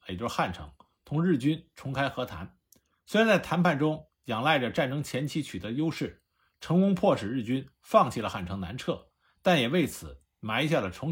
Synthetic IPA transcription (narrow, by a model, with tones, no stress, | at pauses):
t͡ɕo˥˧xa˥˩nʈ͡ʂʰɤ̰˧˥ŋ | t̪ʰʊ˧˥ŋɻɻ̩˥˩t͡ɕy˥nʈ͡ʂʰʊ˧˥ŋkʰa˥ɪxɤ˧˥t̪ʰa̰˧˥n | swe˥ɻa˧nt͡sa˥˩ɪt̪ʰa˧˥npʰa˥˩nʈ͡ʂʊ˥ŋ | jɑ˨˩ŋla˥˩ɪʈ͡ʂə˩ʈ͡ʂa˥˩nʈ͡ʂɤ˥ŋt͡ɕʰjɛ˧˥nt͡ɕʰi˧˥t͡ɕʰy˨˩t̪ɤ˧˥jo˥ʊʂɻ̩˥˩ | ʈ͡ʂʰɤ˧˥ŋkʊ˥ŋpʰwɔ˥˩ʂɻ̩˨˩ɻ̩˥˩t͡ɕy˥n | fɑ˥˧ŋt͡ɕʰi˥˩lə˩xa˥˩nʈ͡ʂʰɤ˧˥ŋna̰˧˥nʈ͡ʂʰɤ˥˩ | t̪a˥˩njɛ˨˩we˥˩ɪt͡sʰɹ̩˨˩˦ | ma˧˥ɪi˥ɕja˥˩d̪ə˩ʈ͡ʂʰʊ˧˥ŋ